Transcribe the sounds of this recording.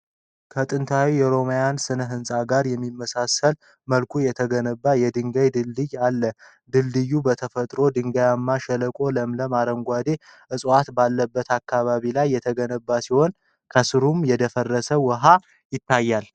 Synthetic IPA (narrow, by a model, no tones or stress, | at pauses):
kʰət̪ʼɨnt̪ʰawijɛɾo̞majansɨnəɦɨnsʼaɡaɾjɛmːimːəsasəl | məlkʰujɛt̪ʰəɡənəbːajɛd̪ɨŋɡəjd̪ɨlːɨjalːə | d̪ɨldɨjːubət̪ʰəfət̪ʼɾo̞d̪ɨŋɡajamːaʃələkʼo̞ləmləmaɾəŋɡʷad̪e̞ʔɨsʼwat̪balːəbːət̪akːaβaβilajːɛt̪ʰəɡənəbːasiho̞n | kʰəsɨɾumjɛd̪əfərːəsəwəɦa | jɪt̪ʰːajːal